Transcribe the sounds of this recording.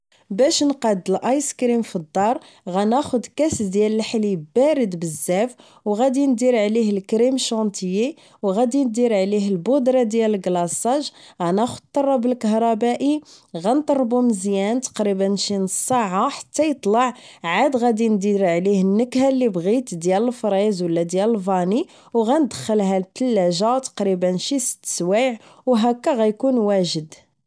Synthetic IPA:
bæʃnqɑd̪ːəlʔɑjskɾimfid̪ˤːɑɾˤ | ɣænæxʊd̪kæsd̪jæləlħlibæɾəd̪bəzːæf | wɣæd̪ind̪iɾʕlihəlkɾimʃɑnt̪ʰəji | wɣæd̪ind̪iɾʕliɦəlbʊd̪ɾˤɑd̪jæləlɡlɑsˤːɑʒɣænæxʊd̪t̪ːˤɑrˤːɑbəlkəɦɾˤɑbæʔiɣænt̪ˤɑrˤːbuməzjænt̪ɑ̥qɾibənːʃinəsˤːɑʕaħḁt̪ːæjət̪ˤlɑʕʕad̪ɣæd̪ind̪iɾʕlihənːəkhælːibɣit̪d̪jæləlfɾˤezwəlːæd̪jæləlvɑni | wɣænd̪əxːəlɦælt̪ːəlːæʒat̪ɑ̥qɾibənʃisə̥t̪ːə̥swiʕwɦækːæɣæjkunwæʒəd̪

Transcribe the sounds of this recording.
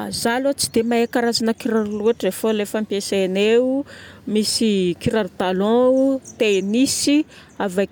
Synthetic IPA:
zalat͡sid̪emaekaɾazanəkiɾaɾluaʈ͡ʂefolefampesene | misikiɾaɾd̪alɔ̃ut̪enisi | ava

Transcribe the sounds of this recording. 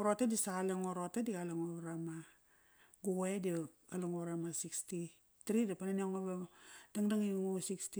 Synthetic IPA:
ɾotedisaaleŋoɾotedialaŋoɾama | ɡuɣoedi | alaŋoɾamasiksti | tɾidapananiaŋobad̥aŋdaŋiŋosiksti

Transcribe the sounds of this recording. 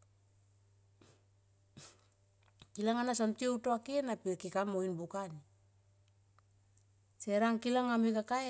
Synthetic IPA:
kilaŋanasontioutoakienapikikamoinbukani | seɾaŋkilaŋamikakae

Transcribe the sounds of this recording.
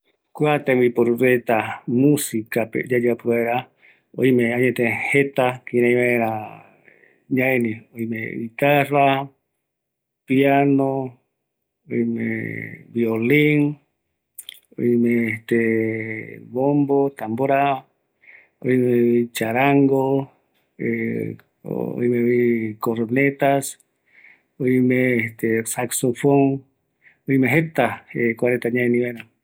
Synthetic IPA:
kwat̪ẽmipoɾuβet̪amũsikapḛd͡ʒad͡ʒapuaeɾa | o̰imẽaɲẽt̪ẽhet̪akiɾãĩβaeɾa | ɲaenĩojmḛβit̪ara | piano | oimḛ̃βioliŋ | o̰jmeːt̪e | βombot̪amboɾa | ojmeit͡ʃaɾaŋɡo | e | o̰jmeβikoɾonet̪as | ojmeːt̪esaksofoŋ | ojmeɦet̪aekwaɾẽnt̪aɲajniβena

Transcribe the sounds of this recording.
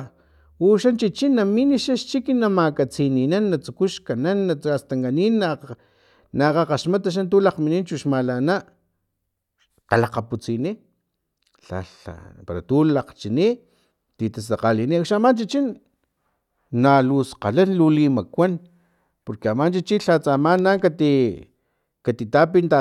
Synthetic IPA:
uʃant͡ʃit͡ʃinːaminiʃaʃt͡ʃikinamakat͡sininanːat͡sukuʃkananːaast̪aŋɡaniːnːa | naqaqaʃmat̪aʃ̬ant̪ulaqminiːnt͡ʃuʃmalanaʔ | t̪alaqaput͡sini | ɬa̰a̰paɾat̪uːlaqt͡ʃini | t̪it̪as̬aqaliniakʃamant͡ʃit͡ʃin | nalusqa̰lanlulimakʷan | poɾkeamant͡ʃit͡ʃiɬat͡samaːnːaːŋkat̪i | kat̪it̪apint̪a

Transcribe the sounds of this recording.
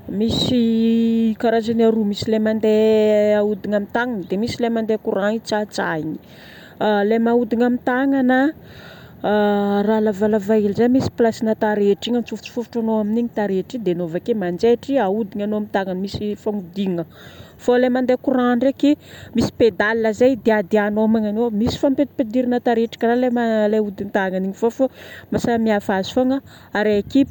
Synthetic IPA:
misi | kaɾazanaɾumisilemand̪eaud̪iɲamint̪aŋanəd̪emisilemand̪ekuɾait͡sat͡sa̰iɲi̥ | lemaud̪iɲamint̪aŋanə | ralavalavailizamisi̥plasinat̪aɾeʈ͡ʂiŋənt͡sufut͡si̥fufu̥ʈ͡ʂanoaminiɲit̪aɾeʈ͡ʂid̪enovakemand͡ʒeʈ͡ʂiaud̪iɲanoamint̪aŋanmisifaŋud̪iŋə | folemand̪ekuɾaɳɖ͡ʐekimisi̥ped̪alinəzajd̪ead̪eanomaŋanomisi̥fampeped̪iɾinat̪aɾeʈ͡ʂḁkʲəalemaleud̪int̪aŋaniɲifofomasamiafazi̥foŋə | aɾeaki

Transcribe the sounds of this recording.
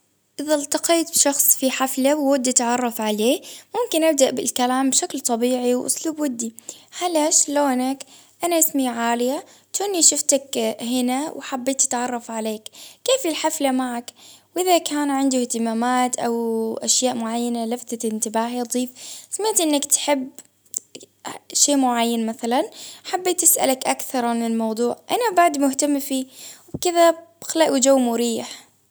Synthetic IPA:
ʔɪðalt̪ɑqiːt̪̚bʃɑxsˤfiħaflawːad̪ːat̪ʕɑrˤːɑfʕaleːmʊmkɪnʔab̚d̪aʔbɪlkalaːmbʃaklt̪ˤɑbiːʕiwʔʊ̰sˤluːbwɪd̪ːihalaʃloːnak | ʔanaʔɪsmiʕaːlɪja | t̪ʊnːiʃʊft̪akhɪnawħabːeːt̪ʔḁt̪ʕɑrˤːɑfʕaleːkːeːfɪlħaflamaʕakwʔɪðakaːnʕɪnd̪ʊht̪ɪmaːmaːt̪ʔawʔaʃjaːʔmʊʕajːanalaft̪aɪnt̪ɪbaːɦid̪ˤiːfsamɪʕt̪ʔɪnːakt̪ħɪb | ʃeːmʊʕajːanmaθalanħabːeːt̪ɪsʔa̰lakʔakθɑɾˤʕanɪlmɑwd̪ˤuːʕʔanabaʕd̪mʊht̪amːfiːwkɪðḁxalaʔud͡ʒawːmʊɾiːħ

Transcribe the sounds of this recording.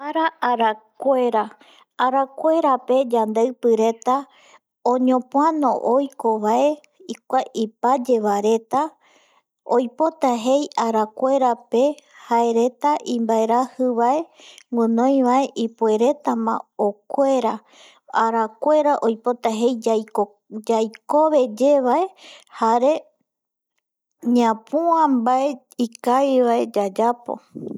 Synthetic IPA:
aɾaʔaɾakʷe̞ɾaː | ɾakʷe̞ɾape̞d͡ʒand̪eɨpɨɾe̞t̪a | õɲõ̞pũanõʔojkoʋae̞ | ik̚ʷaʔipad͡ʒe̞βaɾe̞t̪a | ojpo̞t̪aɦe̞jaɾakʷe̞ɾape̞hae̞ɾe̞t̪aʔĩmbae̞ɾahɨβae̞ŋɡɨ̃nõj̃ʋae̞ʔipue̞ɾe̞t̪amã̰okʷe̞ɾa | aɾakʷe̞ɾaʔo̞jpo̞t̪aɦe̞jo | d͡ʒajko̞βe̞d͡ʒe̞βaehaɾe̞ | ɲãpuãmbae̞ | ikajβae̞d͡ʒad͡ʒapo̞̰

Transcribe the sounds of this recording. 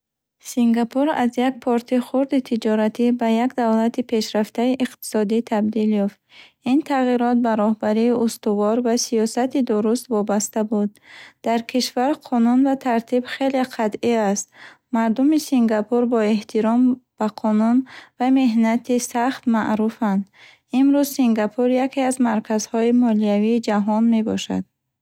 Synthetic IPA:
siŋɡapʰuɾa̰zjak̚pʰɔɾt̪ʰiχuɾd̪it̪ʰid͡ʒɔɾat̪ʰibajakd̪avlat̪ipʰe̞ʃɾaft̪aiʔiqt̪i̥sɔd̪it̪ʰabd̪iljɔft̪int̪ʰaʁiɾɔt̪̚baɾɔhbaɾiːʔust̪uvɔɾvasijɔsat̪id̪uɾust̪vɔbast̪abud̪̚d̪̥aɾkʰiʃvaɾqʰɔnunvat̪ʰaɾt̪ʰibχe̞leqʰat̪iast̪ | maɾd̪umisiŋɡapʰuɾbɔe̞ht̪ʰiɾɔmb̥aqʰɔnunvame̞ɦnat̪ʰisaχt̪ma̰ʔɾufand̪ | imɾuzsiŋɡapʰuɾjakʰeazmaɾkʰazhɔimɔliaviːd͡ʒaɦɔnme̞bɔʃa̰d̪̥̚

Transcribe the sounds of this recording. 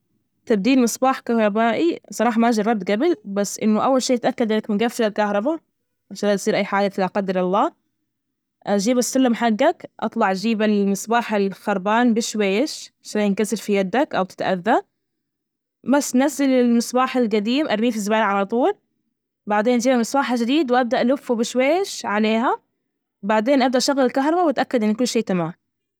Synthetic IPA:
t̪ab̚d̪iːlmɪsˤbaːħkahɾˤɑbaːʔisˤɑɾˤɑːħɑmaʔd͡ʒɑɾˤːɑb̚t̪ɡabɪlbasːʔɪnːʊʔawːalʃiːɪt̪ʔakːad̪ɪnːakmɪɡafːɪɾalkahɾˤɑba | ʔaʃadat̪sˤiːɾʔajːħaːd͡ʒat̪ɪlaqɑd̪ːɪɾɑlˤːɑː | ʔad͡ʒiːbasːʊlːamħaɡːakʔɑ̰t̪ˤlɑʕʔad͡ʒiːbalmɪsbaːħalxɑɾˤbaːnbɪʃweːɪʃʃajːɪnkasɪlfijad̪ːakʔawt̪ɪ̥t̪ʔa̰ðːa | basnazɪlɪlmɪsbaːħalɡad̪iːmʔɑɾˤmiːfɪzːʊbaːlʕalɑt̪ˤuːl | baʕd̪eːnʔad͡ʒiːbamɪsbaːħad͡ʒɪd̪iːd̪wʔab̚d̪aʔlʊfːubɪʃweːɪʃʕaleːɦa | baʕd̪eːnʔab̚d̪aʔʃaɣːalɪlkaɦɾˤɑbawʔat̪ʔakːad̪ʔɪnːkʊlːʃeːt̪amaːm

